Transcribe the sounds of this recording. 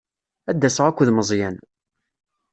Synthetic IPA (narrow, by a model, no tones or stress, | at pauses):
æd̪ːæsəʁækʷːðməzˤjæn